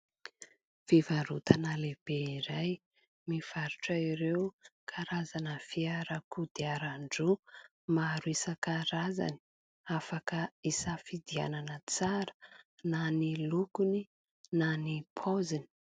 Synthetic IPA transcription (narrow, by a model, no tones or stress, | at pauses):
fivaɾut̪anəleb̥eiɾaj | miv̥aɾuʈ͡ʂaiɾewukʰaɾazanəfiaɾakud̪eaɾaɳɖ͡ʐu | maɾisəkaɾaza̰ni̥ | afakəisafid̪ia̰nanət͡saɾə̥nanilukuni | nanipʰozini̥